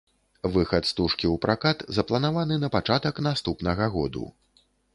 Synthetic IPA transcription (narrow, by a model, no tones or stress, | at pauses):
vɨxɐt̪st̪uʂkʲiwpɾakat̪zɐplˠɐnavanɨnɐpat͡ʂat̪ɐknast̪upnɐɣɐɣɔ̰d̪ṵ